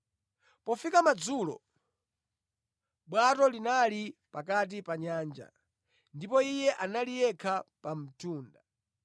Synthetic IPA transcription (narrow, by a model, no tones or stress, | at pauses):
pɔfikamad͡zulɔ̰ | ɓwatɔlinalipakat̬ipaɲaːnd͡ʒa̰ | ndipɔijɛʔanalijɛkʰapam̩tʰuːnda